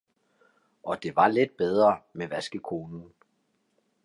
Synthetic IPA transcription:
ʔɒ̽d̥e̝ʋɑ̈le̝d̥̚b̥eð̞ˠʁɐmeʋæsɡ̥əkʰo̝ːnn̩

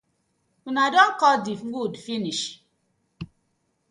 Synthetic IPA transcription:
unadɔŋkɔdifŋ̩ɡudfiniʃ

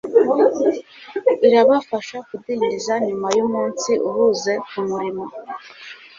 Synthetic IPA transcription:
iɾaβafaʃakudiːɲdizaɲumajumuːnsiʔuβuze̞kumuɾimo

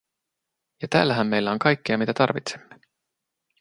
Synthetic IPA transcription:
jɑt̪æ̰ːlːæɦæmːe̞jlːoŋkɑjkːiɑmit̪æt̪ɑrvit̪se̥mːe

